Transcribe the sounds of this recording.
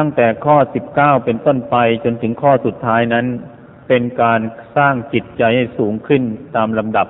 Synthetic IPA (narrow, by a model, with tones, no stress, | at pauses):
a˥˩ŋt̪ɛː˨˩kʰɔː˥˩si˨˩p̚kaː˥˩wpe˧nt̪o˥˩npa˧jt͡ɕo˧nt̪ʰɯ˩˦ŋkʰɔː˥˩su˨˩t̪ʰːaː˦˥jna˦˥n | pe˧nkaː˧nsaː˥˩ŋt͡ɕi˨˩t̪̚t͡ɕa˧jha˥˩jsuː˩˦ŋkʰɯ˥˩nt̪aː˧mla˧mda˨˩p̚